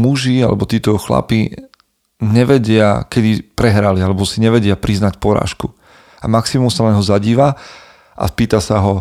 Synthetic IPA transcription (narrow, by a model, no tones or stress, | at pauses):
muʒia̰lɛ̰bɔt̪iːt̪ɔxla̰pi | ɲɛʋɛɟɪa̰kɛd̪ipɾɛɦɾalialɛbɔsiɲɛʋɛɟɪapɾiznacpɔɾa̰ːʃku | amaksimumsalɛɲɦɔzaɟiːʋa | ʔa̰spiːt̪asaɦɔ